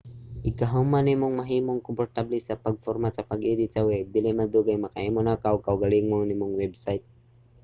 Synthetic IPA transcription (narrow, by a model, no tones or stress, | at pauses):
ikaɦomanemuŋmaɦimoŋkɔmpɔɾt̪ablisapaɡ̚fɔɾmat͡ʃapaɡed̪it͡ʃaweb̚d̪ilemad̪uɡajmakaemonakawkawɡaliŋmoŋnimuŋwebsajt̪̚